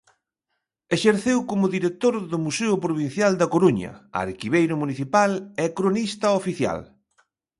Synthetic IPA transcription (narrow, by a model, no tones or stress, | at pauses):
eʃeɾθewkomʊðiɾek̚t̪oɾðʊmuseʊpɾoβ̞in̟θjald̪ɐkoɾuɲɐ̰a̰ɾkiβejɾʊmuniθipalekɾonist̪ɐofiθja̰l